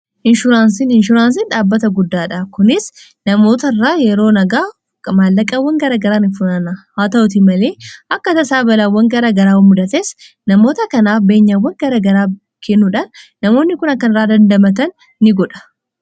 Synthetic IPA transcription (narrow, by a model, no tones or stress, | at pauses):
ʔɪnʃʊɾaːnsinɪnʃ̬ʊɾaːns̬inᶑaːbːɐt̪ɐɡʊd̪ːaːᶑɐkʊnɪs | nɐmo̞ːt̪ɐɪrːaːjɛɾo̞ːnɐɡaː | malːɐkʼɐwːɐŋɡɐɾaːɡɐɾaːnɪfʊnɐnɐhaːt̪ɐʔʊt̪̬ɪmɐle̞ːʔɐkːɐt̪ɐsaːbɐlawːɐŋɡɐɾaɡɐɾaːwɐmːʊd̪ɐt̪es | nɐmo̞ːt̪ɐkɐnaːfbe̞ːɲːawːɐŋɡɐɾaɡɐɾaː | kʰɛnːuːᶑɐnː | ɐmoːnːɪkʊnɐkːɐnɪrːaːd̪ɐnd̪ɐmɐt̪̬ɐnː | ɪɡɔᶑɐ̥